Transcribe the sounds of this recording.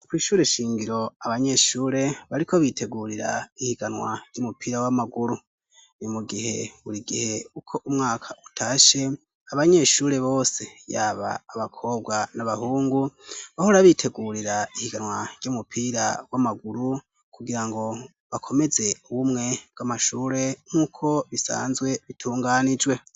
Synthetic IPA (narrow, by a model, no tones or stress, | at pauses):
kwiːʃuːɾe̞ʃiːŋɡiɾo̞aβaɲe̞ʃuːɾe̞βaɾikʰo̞βitʰe̞ɡuɾiɾa̰ihiɡanwa̰ɟ̥omupiɾawamaɡuɾu | nimuɡihe̞βuɾiɡihe̞ukʰo̞ʔumŋaːkʰautʰaːʃe̞ | aβaɲe̞ʃuːɾe̞βo̞ːse̞jaːβa̰ːβakʰo̞ːbɡwanaβahuːŋɡuβahoɾaβitʰe̞ɡuɾiɾaihiɡanwaɟ̥oːmupʰiɾawamaɡuɾu | kuɡiɾaŋɡo̞ | βakʰo̞me̞ze̞uβumŋe̞b̥̚ɡamaʃuːɾe̞ŋ̥uːkʰo̞βisa̰ːnzɡwe̞βitʰuːŋɡaːnid͡ʒwe̞